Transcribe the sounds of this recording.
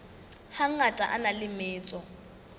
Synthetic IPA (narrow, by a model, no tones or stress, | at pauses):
haŋ̩atʼaʔanalɪmɪːt͡sʼɔ